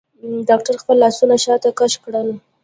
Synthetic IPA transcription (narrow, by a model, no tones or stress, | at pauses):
ɖɑk̚ʈaɾxpəlːɑsunaʃɑt̪akaʃkɽəl